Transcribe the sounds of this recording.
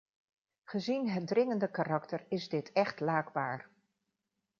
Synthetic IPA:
χəzinɦət̚drɪŋəndəkaːrɑktəɹɪzdɪtʰɛχtlaːɡba̰ːɹ

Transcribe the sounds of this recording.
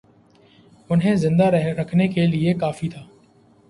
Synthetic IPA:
ʊnɦẽzɪ̃nd̪aɾɐkʰnekeliekaːfit̪ʰaː

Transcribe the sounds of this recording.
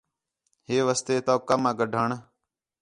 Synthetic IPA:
ɦeːʋəst̪eːt̪oːkamãːɡəɖʱaːɳ

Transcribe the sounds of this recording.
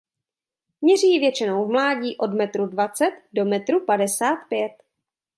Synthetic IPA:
mɲɛriːvjɛt͡ʃɪnowvmlaːɟiːʔo̞dmɛt̪ɾudvat͡sɛt̪do̞mɛt̪ɾupadɛsaːt̪pjɛt̪

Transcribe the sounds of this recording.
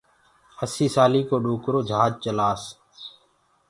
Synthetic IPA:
əsiːsaːliːkoːɗoːkɾoːd͡ʒʱaːd͡ʒt͡ʃəlaːs

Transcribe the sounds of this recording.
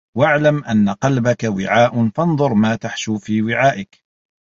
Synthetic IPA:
waʕlamʔanːaqɑlbakawɪʕaːʔfɑnðˤʊɾmaːt̪aħʃuːfiːwɪʕaːʔɪk

